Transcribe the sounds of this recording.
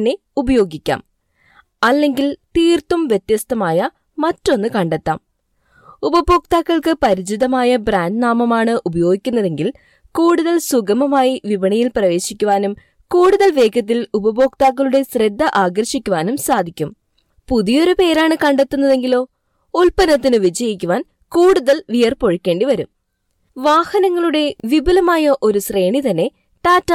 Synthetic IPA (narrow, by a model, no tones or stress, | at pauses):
nːe̞ | ubɐjo̞ːɡikʲːa̰ːm | ɐlːe̞ŋɡilt̪iːrt̪ːumʋje̞t̪jɐst̪ʰɐmaːjɐ | mɐtːo̞nːɨkɐɳɖet̪ːa̰ːm | ubɐbo̞ːk̚t̪aːkːɐɭkɨpɐɾid͡ʑiðɐmaːjɐbraːɳɖnaːmɐmaːɳɨʔubɐjo̞ːɡikʲːunːɐðe̞ŋɡil | kuːɽuðɐlsuɡɐmɐmaːjiʋiʋɐɳɐjilprɐʋe̞ːɕikʲːuʋaːnum | kuːɽuðɐlʋe̞ːkʰɐt̪̬ːilubɐbo̞ːkt̪aːk̬ːɐɭuɽe̞sred̪ʱːɐʔaːɡɐrɕikʲːuʋaːnumsaːd̪ʱikʲːum | puðijo̞ɾupe̞ːɾaːɳɨkɐɳɖet̪ːunːɐðe̞ŋɡilo̞ː | ulpɐnɐt̪ːinɨʋid͡ʑɐjikʲːuʋaːn | kuːɽuðɐlʋijɐrpo̞ɻukʲːe̞ːɳɖiʋɐɾum | ʋaːhɐnɐŋːɐɭuɽe̞ʋibɐlɐmaːjɐʔo̞ɾusre̞ːɳit̪ɐnːe̞ | ʈaːtːɐ